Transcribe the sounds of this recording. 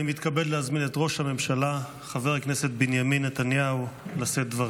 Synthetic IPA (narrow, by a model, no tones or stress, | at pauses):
imit̪kabellehazminetʁo̞ʃhame̞mʃala | χaveʁknese̞t̪̚binjaminːet̪anjaulaset̚dvaʁ